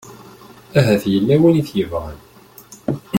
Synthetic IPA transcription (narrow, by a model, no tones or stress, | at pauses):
æɦæθjəlːæwæniθjəvʁən